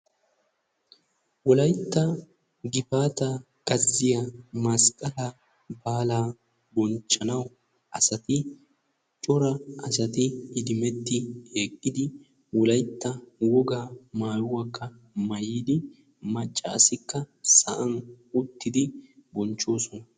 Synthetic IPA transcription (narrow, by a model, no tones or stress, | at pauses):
wɔlɐjt̪ːɐ | ɡɪfaːt̪ɐ | kʼɐzːɪjɐmɐskʼɐlɐ | baːlaː | bɔnt͡ʃʼːɐnɐw | ʔɐsɐt̪ɪ | t͡ʃʼɔɾɐɐsɐt̪ɪːd̪ɪmɛt̪ːɪheːkʼːɪd̪ɪ | wɔlɐjt̪ːɐwɔɡamaːjʊwɐkːɐ | mɐjiːd̪ɪ | mɐt͡ʃʼːɐːsɪkːɐsɐʔɐn | ʊt̪ːɪd̪ɪbɔnt͡ʃːo̞ːsɔnɐ